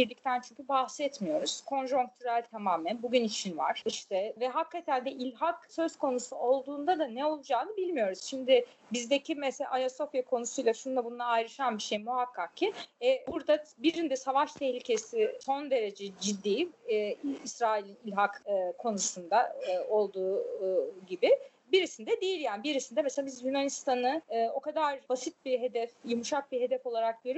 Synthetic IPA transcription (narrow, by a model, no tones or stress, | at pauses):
biɾlʲic̚t̪ʰænt͡ʃʰyɲcʰybahsɛt̪mijo̞ɾuz̥kʰo̞nʒuŋk̚t̪ʰyɾælʲt̪ʰamaːmænbuɟynit͡ʃʰinva̰ɾ̥iʃt̪ʰɛvɛɦakʰːat̪ʰænd̪ɛʔilʲɦaksø̞zko̞nusuo̞lˠd̪uːnd̪ad̪anɛo̞lˠud͡ʒaːnɯbilʲmijo̞ɾuz̥ʃimd̪ɪ | bizd̪ecʰimɛsela̰ʔajaso̞fjakʰo̞nusujlˠaʃunld̪abunnˠaːjɾɯʃanbiʃejmuɦakʰːak̚cːiɛbuɾd̪abiɾind̪ɛsavaʃt̪ʰɛhlʲicʰe̞sɪso̞nd̪e̞ɾe̞d͡ʒɛd͡ʒid̪ːiː | isɾaːilʲinilʲɦakɯkʰːo̞nusund̪ao̞lˠd̪uː | ɟibɪ | biɾisind̪ɛd̪ejilʲjaːnibiɾisind̪ɛmeselabizjynanist̪ʰanɯɯːo̞kad̪aɾbasit̪̚biɦe̞d̪ɛfjumuʃak̚biɦe̞d̪ɛfo̞lˠaɾak̚ɟøɾy